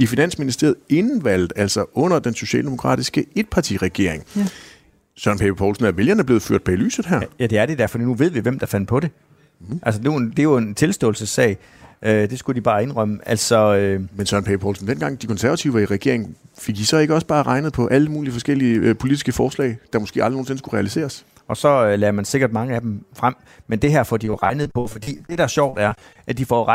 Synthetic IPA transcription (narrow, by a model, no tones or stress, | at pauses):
ifinæn̰sminisd̥e̝ɐð̩ˠe̝nʋæl̰d̥̩ˠæl̰sɒʔɔ̽n̰ɐd̥enso̝ɕɛ̰ːld̥e̝mo̝kʰʁɑ̰̈ːd̥isɡ̥əe̝d̥̚pʰɑ̈t͡sʰḭʁɛɡ̥e̝ɐ̰e̝ŋ | sɶɐnpʰeb̥ɐpʰɒʊlsn̩æʋe̝ljɐnæɐb̥le̝ːð̩ˠføɐ̰d̥̚b̥ely̰ːsð̩ˠɦæɐ̰jæd̥e̝æɐd̥e̝d̥æɐfɒdinuʋe̝ð̰ˠʋiʋemd̥ɑ̈fæn̰pʰɒ̽ɾe̝ | ʔæls̬əduend̥e̝jo̝e̝nt͡sʰe̝lsd̥ɔ̰̽ːl̩səsːɛ̰ɪ | ʔød̥e̝sɡ̥ud̥ib̥ɑ̈ːe̝nʁœməʔælsɒ̽ømensɶɐnpʰeɪpʰɒ̰ːlsn̩d̥enɡ̥ɑ̈ŋ̰d̥ikʰɔ̽nsæɐʋæt͡sʰiʊiʁɛɡ̥e̝ɐeŋn̩fe̝ɡ̥isɒ̽e̝ɡ̥əɒ̽sb̥ɑ̈ːʁɑ̈ɪnəð̩ˠpʰɒ̽ʔæləmuːliəfɒ̽sɡ̥el̰iəpʰo̝lid̥isɡ̥əfɒːslɛ̰ɪd̥ɑ̈mosɡ̥e̝̰ːɑ̈ldˠʁno̝ːn̩se̝n̩sɡ̥uʁɛælise̝̰ːɐs | ɒ̽sɒ̽ølɛːɐmænse̝ɡ̥ɐd̥mɑ̈ŋəæd̥emfʁam̰ | mend̥e̝ɦæɐ̰fɒ̰dijo̝ʁɑ̈ɪnð̞̩ˠpʰɒ̽fɒ̽d̥ḭːd̥e̝ɾ̥ɑɐɕɒʊ̰d̥æɐʔæd̥ifɒ